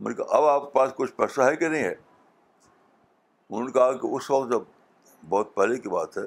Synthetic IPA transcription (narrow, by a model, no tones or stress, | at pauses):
mɐnka̰ʔɐbaːp̚kepaːskʊt͡ʃʰpɛːsaɦɛkenɐɦĩɦɛ | ʊnɦõːnekɐɦakeʔʊsʋɐk̚t̪d͡ʒɐb̚ | bɔːt̪̚pɛlekiba̰ːt̪ɦɛː